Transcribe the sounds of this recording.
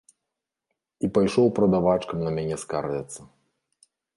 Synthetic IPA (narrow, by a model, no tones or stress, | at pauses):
ipajʂɔwpɾɐd̪avat͡ʂkɐmnɐmʲanʲɛskaɾvʲɐt̪sːɐ